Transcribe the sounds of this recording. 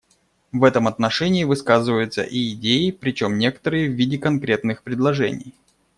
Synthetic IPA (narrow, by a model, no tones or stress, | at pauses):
vɛt̪əmɐt̪nɐʂɛnʲɪːvɨskazɨvəjʊt̪sə̰ʔiɪdʲejɪpɾʲɪt͡ɕo̞mnʲe̞kə̥t̪əɾɨjəvːʲidʲɪkɐnkɾʲe̞t̪nɨxpɾʲɪd̪lˠɐʐɛ̰nʲɪ̰j